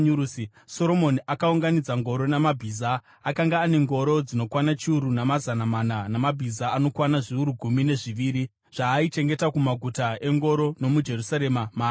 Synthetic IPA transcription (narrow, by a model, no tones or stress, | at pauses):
ɲuusi | so̞ɾo̞mo̞niʔakauŋɡanid͡zaŋɡo̞ɾo̞namabʱiːza | akaŋɡaːne̞ŋɡo̞ɾo̞d͡zino̞kwanat͡ʃiuɾunamazanamananamabʱizaːno̞kwanaʐiuɾuɡʱumine̞ʐiʋiːɾi | ʐ̥aːit͡ʃe̞ŋɡe̞takumaɡʱutae̞ŋɡo̞ɾo̞no̞mud͡ʒe̞rusaɾe̞mamaː